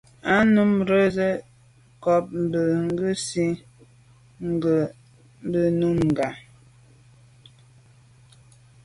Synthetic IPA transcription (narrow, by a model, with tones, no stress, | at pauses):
a˦nu˦mɾə˦zə˦ | kɔ˨p̚m̩˨bə˨ŋ˦ɡə˦si˦ | ŋ˦ɡə˨ | m̩˦bə˨nu˦mŋ˨ɡa˨